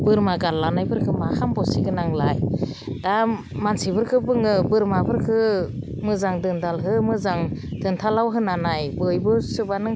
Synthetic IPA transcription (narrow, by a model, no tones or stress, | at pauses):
b̥ɯɾmaɡallanajbɯɾkʰɯmakʰambɔsiɡɯnaŋlaj | da | mansibɯɾkʰɯbɯŋɯbɯɾmabɯɾkʰɯ | mɯzaŋdɯndalɦɯmɯzaŋdɯntʰalawɦɯnanajbɯjbɯsɯbanɯ